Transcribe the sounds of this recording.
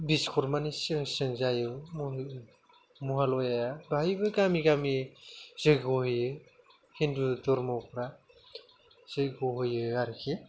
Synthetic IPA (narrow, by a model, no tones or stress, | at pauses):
biskʰɔɾmanisɯŋsɯŋzajɯm | muɦalɔjajabajbɯɡamiɡamiz̥ɯjɡɔhɯjɯ | hindudɔɾmawpʰɾa | z̥ɯjɡɔɦɯjɯaɾikʰi